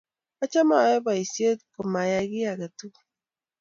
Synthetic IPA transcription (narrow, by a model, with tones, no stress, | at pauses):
ɔ˦t͡ʃa˦ma˨jɔ˦ba˨i˨si˦e˦tkʊ˨ma˨ja˦ɡɪ˦a˨ɡa˨tu˦˨